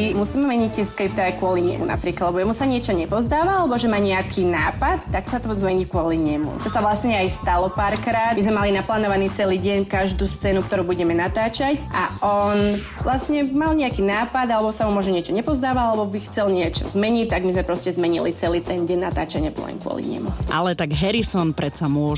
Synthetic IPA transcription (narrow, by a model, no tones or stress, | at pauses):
musiːmɛmɛɲic̚t̪ɛskɾip̚t̪ajkʊɔliɲɛ̰mṵna̰pɾiːklad̪lɛbɔjɛmusaɲɪɛt͡ʃɔɲɛpɔzd̪aːʋaalɛbɔʒɛmaːɲɛakʰinaːpat̪ːaksat̪ɔzmɛɲikʊɔliɲɛmṵt̪ɔsaʋlasɲɛajst̪alɔpaːɾkɾaːd̪mizmɛmalinaplaːnɔʋaniːt͡sɛliːɟɛɲkaʒd̪uːst͡sɛːnuk̚t̪ɔɾuːbuɟɛmɛnat̪aːt͡ʃacʔaʔɔn | ʋlasɲɛmalɲɛakiːnaːpad̪alɛbɔsamumʊɔʒɲɛɲɪɛt͡ʃɔɲɛpɔzd̪aːʋaalɛbɔbixt͡sɛlɲɪɛt͡ʃɔ̰zmɛɲict̪ːaɡmizmɛpɾɔscɛzmɛɲilit͡sɛliːt̪ɛnɟɛnnːat̪aːt͡ʃaɲɪɛplɛ̰ɲkʊɔ̰lḭɲɛ̰mṵʔa̰lɛt̪aɡɦɛɾisɔnpɾɛsamʊɔ